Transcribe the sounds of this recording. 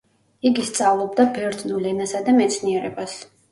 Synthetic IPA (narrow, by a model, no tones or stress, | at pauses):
iɡist̪sʼavlˠɔbd̪abɛɾd̪t̪ʼnulɛnasad̪amɛt̪sʰniɛɾɛbas